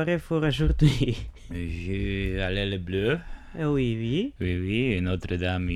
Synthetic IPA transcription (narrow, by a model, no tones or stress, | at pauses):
aɾefɔɾaʒuɾd̪i | ʒyalɛləbløwiwiwiwienot̪ɾəd̪am